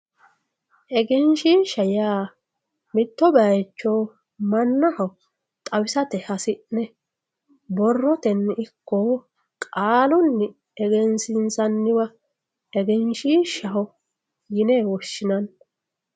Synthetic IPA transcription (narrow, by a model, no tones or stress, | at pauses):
ʔɛɡɛnʃiːnʃɐjaː | mɪt̪ːɔbɐjt͡ʃːoː | mɐnːɐhɐw | t̪ʼɐwɪsɐt̪ɛhɐsɪʔnɛ | bɔrːɔt̪ɛnɪkːɔ | kʼaːlɔnːɪ | ɛɡɛnsɪnsɐnːɪwɐ | ɛɡɛnʃiːnʃɐɦɔ | jɪneːwɔʃːɪnɐn